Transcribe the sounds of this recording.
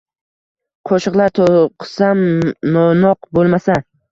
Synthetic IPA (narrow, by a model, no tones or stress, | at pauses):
qʰoʃɨqlˠaɾt̪ʰoqʰɨ̥samnonɒqbolˠmasa